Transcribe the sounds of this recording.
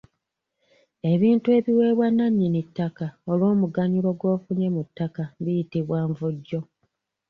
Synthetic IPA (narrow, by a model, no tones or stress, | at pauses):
e̞βiːntue̞ːβiwe̞ːβwanːaɲːinitːakao̞lwo̞ːmuɡaɲiɾo̞ɡwo̞ːfuɲemutːakaβijitiβwaːɱvuɟːo̞